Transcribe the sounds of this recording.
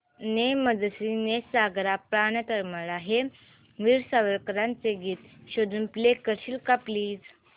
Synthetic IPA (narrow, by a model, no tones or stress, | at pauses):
neməd͡zəsinesaɡɾapɾanət̪əɾməɭaɦe | ʋiːɾsaʋəɾkəɾãnt͡seɡiːt̪ɕod̪uːnplekəɾɕiːlkapliːd͡z